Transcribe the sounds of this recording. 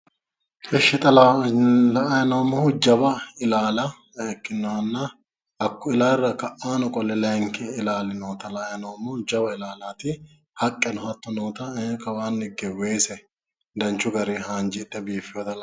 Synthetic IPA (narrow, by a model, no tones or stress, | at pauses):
ʔɛʃːɪt̪ʼɐlalɐɐjɐnowmɔhʊd͡ʒɐbɐɪlaːlɐ | ɛkːɪnːɔwɐnːɐ | ɐkːʊɪlaːrːɐkɐʔaːnʊkʼɔlːɛlɛŋkɪɪlaːlɪnoːt̪ɐlɐjɐnɐwmɔd͡ʒɐbɐɪlaːlaːt̪ɪ | hɐkʼːɛnʊhɐt̪ːɔnoːt̪ɐɛkːɐwaːnːɪɡɛweːsɛ | d̪ɐnt͡ʃːʊɡɐɾehaːnd͡ʒɪt̪ʼːɛbiːfɪjoːd̪ɐlɐ